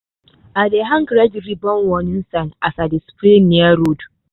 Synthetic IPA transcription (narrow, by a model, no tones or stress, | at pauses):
adeɦaŋɡɾad͡ʒɾibɔnwɔnɪnsanasadispɾenːiaɾod